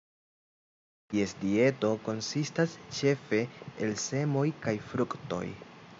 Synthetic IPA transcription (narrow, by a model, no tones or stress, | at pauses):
tie̞sdie̞to̞ko̞nsistast͡ʃe̞fe̞ːlse̞mo̞jkajfɾukto̞̰j